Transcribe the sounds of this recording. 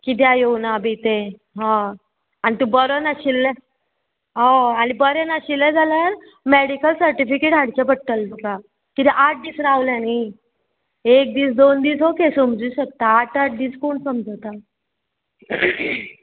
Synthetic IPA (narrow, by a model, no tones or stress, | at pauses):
kit̪̬jajewnabit̪e | ɦã | anit̪ũbəɾənaɕilːɛ | ɦɔ̃aɽ̃ibəɾenaɕilːɛ̃d͡zʱalaɾ | meɽikəlsəɾʈifikeʈɦaɽ̤t͡ɕapəɽʈəlt̪uka | kit̪ɛʔaʈ̚ʰd̪iːsɾaaʋljani | ek̚d̪iːsd̪ond̪iːsɦokesəmd͡zuːɕək̚t̪aːʈaʈ̚ʰd̪iːskoɳsəmd͡zəwt̪a